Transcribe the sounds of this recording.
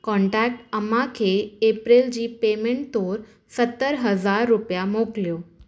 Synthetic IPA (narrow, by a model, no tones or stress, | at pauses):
kɔ̃ɳʈæk̚ʈəmakʰeːpɾeld͡ʑiːpemeɳʈt̪oɾ | sət̪ːəɾɦəd͡zaɾːupjamokljo